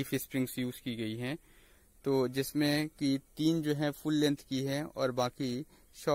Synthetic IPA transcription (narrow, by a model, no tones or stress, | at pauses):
ifɪspɾɪ̃ŋɡsjuːzkiɡɐiɦɛ̃ː | t̪oːd͡ʒɪsmẽkit̪iːnd͡ʒoːɦɛ̃fʊlːɛ̃nt̪ʰkiɦɛ̃ɔ̰ːɾbaːki | ʃɔː